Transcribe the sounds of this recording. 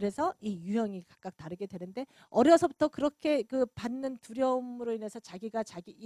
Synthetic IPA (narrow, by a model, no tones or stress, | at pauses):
ɯɾe̞sʰʌijujʌŋikḁk̚k͈ak̚taɾɯɡe̞dwe̞nɯnde̞ | ʌɾjʌsʰʌbutʰʌkɯɾʌkʰe̞kɯpanːɯntuɾjʌmɯɾoine̞sʰʌt͡ɕaɡiɡat͡ɕaɡiː